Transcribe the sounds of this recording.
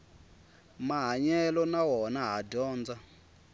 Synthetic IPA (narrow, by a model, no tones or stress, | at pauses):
maɦaɲɛlɔnaɦɔnaɦadɔːnd͡za